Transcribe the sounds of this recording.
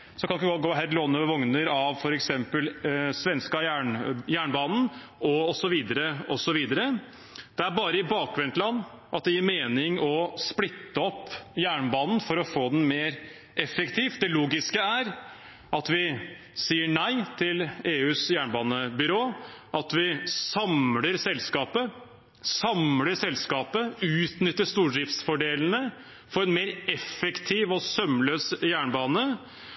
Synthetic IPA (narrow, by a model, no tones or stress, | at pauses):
sɔkɑnɪkːɡɔt̪ːɡoːɦæɾloːnəʋɔŋnəɾɑʋfɔɾɛksɛmpəlsʋɛnskɑjæɳjæːɳbɑːnn̩ | ɔɔsɔʋiːd̪əɾəɔsɔʋiːd̪əɾə | d̪̥ɛæɾbɑːɾəɪbɑːk̚ɡɾɛnt̪lɑnː | ʔɑt̪̚d̪ɛjiːɾmeːnɪŋɔsplɪt̪ːəɔpːjæːɳbɑːnn̩fɔɾɔfoːd̪ɛn̩meːɾ | ʔɛfːɛkt̪ʰiːft̪̚d̪ɛluːɡɪskəæɾ | ɑt̪ʋɪ | siːəɳæɪt̪ʰɪleːʉːsjæːɳbɑːnəbʏɾoːʔɑt̪ʋɪsɑmləɾsɛlːskɑːpə | sɑmləsɛlskɑːpəʉːt̪nʏt̪ːəʂt̪uːɖɾɪft̪sfɔɖeːln̩ə | fɔɾɛnmeːɾɛfɛkt̪ʰiːʋɔsœmløːsjæːɳbɑːnə